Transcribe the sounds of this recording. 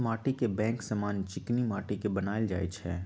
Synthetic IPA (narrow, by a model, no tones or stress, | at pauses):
maːʈikebɛ̃ːŋksɐmaːnt͡ʃɪknimaːʈikebɐnaːjld͡ʒa̰ːet͡ʃʰɛ̰ː